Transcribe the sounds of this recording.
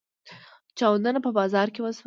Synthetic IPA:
t͡ʃɑwd̪anapəbɑzɑɾkewəs

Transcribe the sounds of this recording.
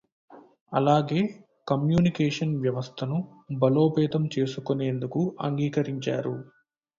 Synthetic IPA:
ɐ̰laːɡe̞ː | kɐmjuːnikeːʂɐnʋjɐʋɐst̪ʰɐnu | bɐlo̞ːpɛːt̪ɐmt͡ʃe̞ːsukone̞ːnd̪ukuɐ̰ŋɡiːkɐɾiɲt͡ʃaːɾu

